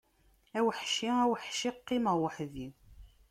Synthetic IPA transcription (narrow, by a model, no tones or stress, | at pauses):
æwəħʃiæwəħʃiqːimwəħði